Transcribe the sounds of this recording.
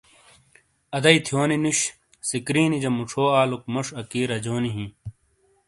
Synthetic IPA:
ɐd̪ɐit̪ʰjoːninuɕ | sikɾiːnid͡ʑɐmuʈ͡ʂʰoːaːluk̚mɐʂɐkiːɾɐd͡ʑoːniɦĩ

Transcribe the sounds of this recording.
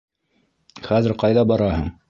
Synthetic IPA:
χæzɘɾqɑjðɑbɑɾɑhɤɴ

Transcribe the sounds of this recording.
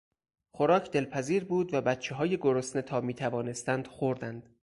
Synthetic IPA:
xoɾɒːcʰd̪e̞lpʰæziːɾbuːd̪væbæt̪t͡ʃʰeɦɒːjeɡoɾosnet̪ʰɒːmiːt̪ʰævɒːne̞st̪ænd̪̥xoɾd̪ænd̪̥

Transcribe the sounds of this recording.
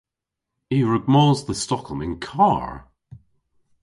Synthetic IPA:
iɹəɡ̚mɔːlˠzðəstɔkʰəl̩ˠmɪ̃nkʰaːɹ

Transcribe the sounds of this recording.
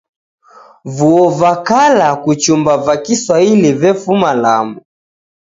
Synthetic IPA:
vuɔvakalakut͡ʃumbavakiswailivɛfumalamu

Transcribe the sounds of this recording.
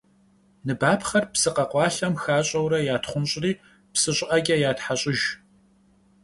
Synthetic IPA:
nɨbaːpʰχɐrpsɨqɐqʷɑːɬɐmxaːɕʼɐwɾɐjaːtχʷʊnɕʼriː | psɨɕʼɪʔɐɡʲɐjaːtħaɕʼɪʒ

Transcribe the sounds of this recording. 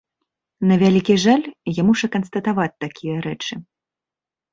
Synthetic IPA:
nɐvʲalʲikʲiʐalʲjamuʂɐkɐnst̪ɐt̪avat͡sʲt̪akʲijɐɾɛt͡ʂɨ

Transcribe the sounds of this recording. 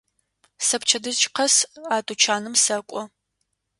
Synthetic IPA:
sɐpt͡ʃʰɐdɨzt͡ʃʼqʰɐsaːtʼut͡ʃʰaːnɨmsɐkʷʼɔ

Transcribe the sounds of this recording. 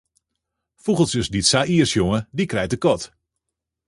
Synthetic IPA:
fuɣəlˠsøsditsaʔiərsjoŋədikrɛjtəkɔt

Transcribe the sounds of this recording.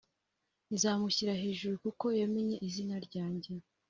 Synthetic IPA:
izaːmuçiɾaɦe̞ːʒuɾukuko̞jeme̞ɲe̞ʔizinaɾɟaːɲɟe̞

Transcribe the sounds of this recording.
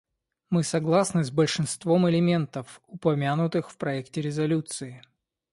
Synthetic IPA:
mɨsɐɡlˠasnɨzbəlʲʂɨnst̪vomɪlʲɪmʲent̪əfʊpɐmʲanʊt̪ɨxfpɾɐɛktʲɪɾʲɪzɐlʲut̪sɨɪ

